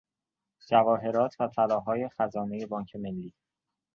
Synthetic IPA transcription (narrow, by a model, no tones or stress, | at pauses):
d͡ʒævɒːɦe̞ɾɒːt̪ʰvæfælɒːɦɒːje̞xæzɒːne̞je̞bɒːɲcʰe̞me̞lːiː